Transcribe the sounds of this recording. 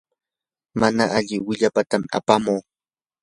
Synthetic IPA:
manaʔaʎɪwɪʎapat̪amɪa̰pamoː

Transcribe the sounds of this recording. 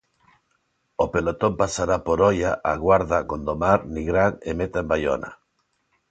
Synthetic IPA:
opelot̪ompasaɾapoɾɔjaʔaɣwaɾðakond̪omaɾniɣɾaŋemet̪aembajo̰na̰

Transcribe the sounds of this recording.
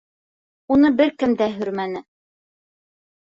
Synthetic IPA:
unɤbɘɾkɘmd̪æɦɵɾmænɘ

